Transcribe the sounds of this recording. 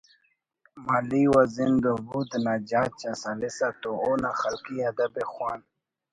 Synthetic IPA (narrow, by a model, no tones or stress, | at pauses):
maliwazinɡ̪obud̪nad͡ʑaːt͡ɕasalisat̪oonaxɐlkiɐd̪ɐbexwaːn